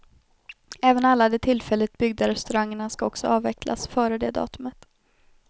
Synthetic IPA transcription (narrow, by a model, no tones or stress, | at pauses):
ɛːvənalːad̪ɛːt̪ʰɪlfɛlːət̪bʏɡ̚d̪aɾɛst̪ɵɾaŋːəɳaskaɔksɔɑːvɛkʰla̰sfœːɾəd̪eːd̪ɑ̰ːt̪ɵmət̪